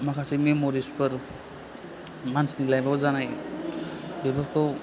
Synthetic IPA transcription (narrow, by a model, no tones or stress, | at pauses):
makʰasimimoɾispəɾ | mansnilajbazanaj | bibʱapkʰɔ